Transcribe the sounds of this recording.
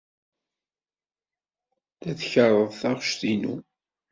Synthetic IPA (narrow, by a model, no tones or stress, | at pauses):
θæθçərˤːəðˤθɑʁʃθinṵ